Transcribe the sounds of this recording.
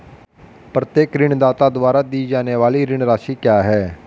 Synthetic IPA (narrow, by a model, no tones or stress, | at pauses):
pɾət̪jeːkɾɪɳd̪aːt̪aːd̪ʊʋaːɾaːd̪iːd͡ʒaːneːʋaːliːɾɪɳɾaːʃiːkjaːɦɛː